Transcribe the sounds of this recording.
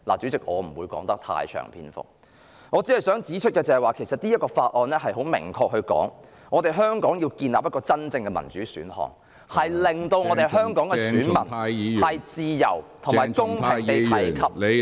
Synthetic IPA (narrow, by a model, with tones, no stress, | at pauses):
la̰ː˨˩t͡syː˨˥t͡sɪ˨k̚ʔɔ̰ː˨˧m̩˨˩wuː˨˧jkɔː˨˥ŋt̪ɐ˥k̚t̪ʰa̰ː˧jt͡ʃʰœ̰ː˨˩ŋpʰḭː˥nfʊ̰˨˩k̚ | ŋɔː˨˧t͡siː˨˥hɐ˨jsœː˨˥ŋt͡siː˨˥t͡ʃʰɵ˥t̚kɛː˧t͡sɐ˨˩ɐ˨jwaː˨˩kʰe˨˩jsɐ˨t̚niː˥jɐ˥kɔː˧faː˧t̚ʔɔː˨nlɛː˥ɦɐ˨jɦo˨˥wmɪ̰˨˩ŋkʰɔː˧k̚ɦhɵ˧ɥkɔ̰ː˨˥ŋ | ŋɔː˨˧t̪e˨jɦœː˥ŋkɔː˨˥ŋjiː˧wkiː˧nla̰ː˨p̚jɐ˥kɔː˧t͡sɐ˥nt͡sɪ˧ŋkɛː˧mɐ˨˩nt͡ʃyː˨˥sy̰ː˨˥nhɔ̰ː˨˩ŋ | hɐ˨jlɪ˨ŋt̪o˧wŋɔ˨˧t̪e˨jhœː˥ŋkɔː˨˥ŋkɛ˧ssyː˨˥nmɐ˨˩n˨hɐ˨jt͡siː˨˧jɐ̰˨˩wt̪ʰʊ˨˩maː˨jkʊ˥ŋʰɪ˨ŋe˨jt̪ɐ˨˥˨jkʰɐ˨˥p̚